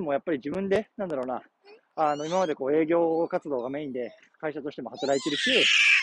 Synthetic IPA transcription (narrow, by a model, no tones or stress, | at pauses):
mo̞japːaɾʲid͡ʑibɯ̟̃nd̪e̞nãnd̪aɾo̞ːna | ano̞imamad̪e̞ko̞ːe̞ːɡʲo̞ːkat͡sɨd̪o̞ːɡame̞ĩnd̪e̞ | kaiɕat̪o̞ɕi̥t̪emo̞hat̪aɾait̪e̞ɾɯ̟ɕɯː